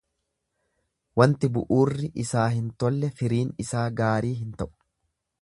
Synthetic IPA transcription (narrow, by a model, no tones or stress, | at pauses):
wɐnt̪ɪbʊʔuːrːɪʔɪsaːhɪnt̪ɔlːɛfɪɾiːnɪsaːɡaːɾiːɦɪnt̪ɐʔʊ̥